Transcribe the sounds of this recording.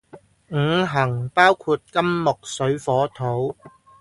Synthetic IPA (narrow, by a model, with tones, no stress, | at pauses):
ŋ̩˨˧˥ɦɐ˨˩ŋpaː˥wkʰuː˧t̚kɐ˥mːʊ˨k̚sɵ˨˧˥ɥfɔː˨˥t̪ʰo˨˥w